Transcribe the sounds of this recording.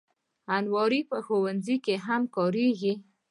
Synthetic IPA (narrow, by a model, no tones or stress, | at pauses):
anwɔɾipəxowanzikeɦamkɑɾeɡi